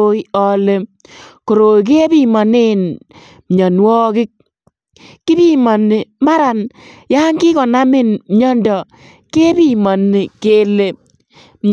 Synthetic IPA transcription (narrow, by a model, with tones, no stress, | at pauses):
i˦ɔ˦le˦ | ko˨ɾo˨jk̬e˦bi˦˨mɔ˨nɪ˦n | mɲɔ˨nwɔ˦kɪ˦k̚ː | ɪ˦bi˦mɔ˨nɪ˨ma˦ɾa˨nja˦ŋkɪ˦kɔ˨na˦mɪ˦˨nmɲɔ˦ndɔ˨ | ke˦bi˦mɔ˨nːɪ˨ke˦le˨ | mɲ